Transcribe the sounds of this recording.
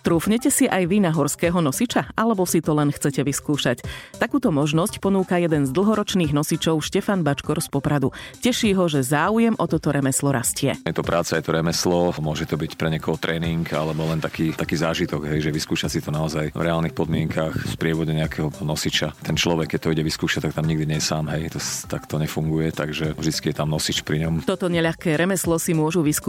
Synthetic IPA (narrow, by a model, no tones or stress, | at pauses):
t̪ɾuːfɲɛcɛsiʔajʋinaɦɔɾskɛːɦɔnɔsit͡ʃaʔalɛbɔsit̪ɔlɛnxt͡sɛcɛʋiskuːʃact̪akuːt̪ɔmɔʒnɔscpɔnuːkajɛd̪ɛnzd̪l̩ˠɦɔɾɔt͡ʃniːɣnɔsit͡ʃɔʊʃcɛfanbat͡ʃkɔɾspɔpɾad̪ucɛʃiːɦɔʒɛzaːujɛmʔɔt̪ɔt̪ɔɾɛmɛslɔɾascɪɛ̰jɛt̪ɔpɾʔaːt͡sajɛt̪ɔɾɛmɛslɔmʊɔʒɛt̪ɔbicpɾɛɲɛkɔɦɔt̪ɾʔɛːniŋka̰lɛbɔlɛnt̪akiːt̪akiːzaːʒit̪ɔɡɦɛjʒɛʋiskuːʃasit̪ɔnaɔzajvɾʔɛaːlnixpɔd̪mɪɛŋkʰaxspɾɪɛʋɔɟɛɲɛakʰɛɦɔnɔsit͡ʃat̪ɛnt͡ʃlɔʋɛkːɛc̚t̪ɔiɟɛʋiskuːʃac̚t̪ak̚t̪amɲiɡd̪iɲɛjɛsaːmɦɛjt̪ɔst̪akt̪ɔɲɛfuŋɡujɛt̪aɡʒɛvʒd̪it͡skijɛt̪amnɔsit͡ʃpɾiɲɔmt̪ɔt̪ɔɲɛʎaxkɛːɾɛmɛslɔsimʊɔʒuʋiskː